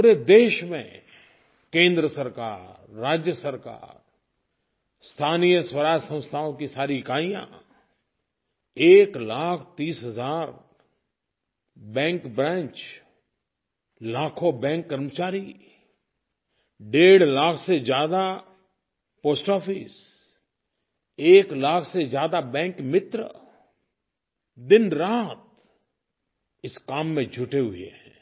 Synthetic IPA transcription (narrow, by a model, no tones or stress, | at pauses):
puːɾed̪eːʃmḛ̃ | kẽːnd̪ɾəsəɾkaːɾː | aːd͡ʒjəsəɾka̰ːɾ | st̪ʰaːnijəswəɾaːd͡ʒsə̃w̃st̪ʰaõkisaːɾikaːijã̰ | eːklaːkʰt̪iːsɦəzaːɾ | bɛ̃ːŋkbɾɛ̃ːnt͡ʃ | laːkʰobɛ̃ːŋkːəɾmət͡ʃaːɾi | ɖeːɽlaːkʰsed͡ʒjaːd̪a | poːsʈɔːfʰɪs | eːklaːkʰsed͡ʒjaːd̪abɛ̃ːŋkmɪt̪ɾə̰ | d̪ɪnɾaːt̪̚ | ɪskaːmːẽd͡ʒʱʊʈeɦʊẽ